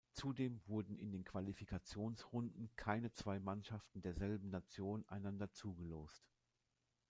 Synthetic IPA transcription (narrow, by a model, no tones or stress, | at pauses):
t͡sudeːmvʊɐdn̩ɪ̰ndeːnkv̥alifikʰat͡sjoːnsʁʊndn̩kʰaɪnət͡sv̥aɪmanʃaftn̩deːɐzɛlbm̩nat͡sjoːnʔa̰ɪnandɐt͡suːɡəloːst